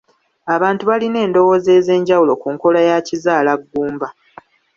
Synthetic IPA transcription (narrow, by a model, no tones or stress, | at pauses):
aβaːntuβaline̞ːndo̞wo̞ze̞ːze̞ːɲɟawulo̞kuːŋko̞lajacizaːlaɡːuːmba